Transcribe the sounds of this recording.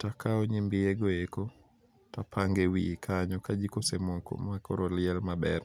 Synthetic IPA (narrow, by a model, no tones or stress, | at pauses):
takʰaɔɲimbɪeɡoeko | tapʰaŋɡewḭkʰaɲɔkad͡ʒikosemoko̰makɔɾolɪɛlmabɛr